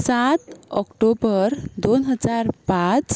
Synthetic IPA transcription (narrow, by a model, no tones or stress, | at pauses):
sat̪ɔkʈobəɾd̪onɦəd͡zaɾpãt͡s